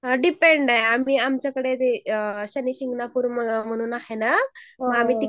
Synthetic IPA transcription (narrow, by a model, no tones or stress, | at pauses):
ɖipeɳɖaɦeamiamt͡ɕakəɽet̪eɕɐnisiŋɡnapuɾmɐmɐñuːnaɦena | amit̪i